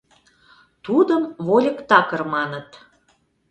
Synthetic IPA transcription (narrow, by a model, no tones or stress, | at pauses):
t̪ud̪əmβolʲəkt̪ɑkərmɑnət̪